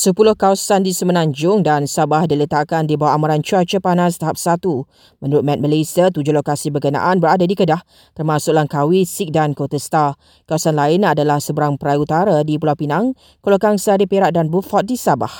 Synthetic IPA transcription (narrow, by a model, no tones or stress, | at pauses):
səpulʊhkawasandisəmənãɲd͡ʒʊŋdansabahdilət̪akandibawaʔamaɾant͡ʃuat͡ʃəpanast̪aɦap̚sat̪u | mə̃nuɾʊt̪̚mɛ̃t̪̚məlasiat̪ud͡ʒʊhlokasibəkənã̰ʔanbəɾadadikədah | t̪ərmãsʊk̚laŋkawisik̚dankot̪əst̪a | kawasanlaɪnadalahsəbəɾaŋpɾajut̪aɾadipulawpinaŋ | kolokaŋsaɾipeɾaʔ̚danbufɔt̪̚disaba̰h